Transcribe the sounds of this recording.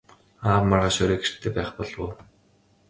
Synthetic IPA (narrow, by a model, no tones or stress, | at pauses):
aːpmarʁaːʃɔɾeːɡer̥t̪ʰːeːpæːχpɔɮwoː